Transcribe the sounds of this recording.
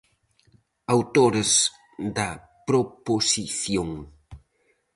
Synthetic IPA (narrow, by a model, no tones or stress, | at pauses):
awt̪oɾez | d̪ɐ | pɾoposiθjoŋ